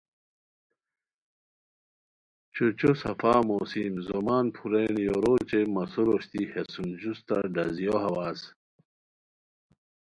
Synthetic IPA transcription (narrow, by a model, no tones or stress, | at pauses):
t͡ɕot͡ɕosɐfaːmosimzomaːnpʰuɾenjoɾoːt͡ɕemɐsuɾoɕt̪ihesund͡ʑust̪aɖɐzjohɐwaːz